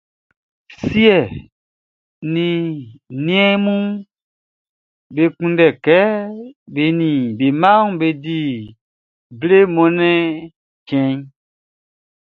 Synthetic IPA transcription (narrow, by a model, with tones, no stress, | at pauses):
si˦ɛ˨ | nĩ˨nĩ˦ɛ̃˦mũ˦ | be˨kũ˦dɛ˨kɛ˦be˨nĩ˨be˨mã˦ŋũ˦˨be˨di˨ | ble˦mɔ̃˨nɛ̃˦ | t͡ʃɛ̃˨ɲ˦